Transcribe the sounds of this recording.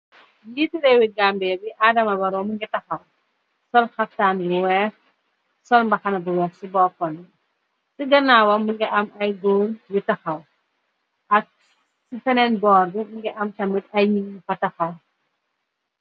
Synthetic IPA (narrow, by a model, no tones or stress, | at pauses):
jitiɾɛwiɡambɛbiʔadɐmɐbɐɾɔmuŋɡɛtɐxɐw | sɔlxɐftaːnbuwɛx | sɔlmbɐxɐnɐbuwɛːxsibɔːfɔnːɛ | siɡɐnaːwɐmuŋɡɛʔɐmɐjɡɔŋwitɐxɐw | ʔɐk̚ | sifɐnɛnbɔːrdumuŋɡɛʔɐmtɐmitɐjɲiifɐtɐxɐw